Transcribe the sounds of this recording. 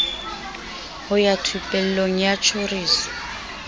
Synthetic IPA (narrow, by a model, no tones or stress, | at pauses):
hʊjatʰupʼɛl̩loŋ̩jat͡ʃʰoriːsɔ̥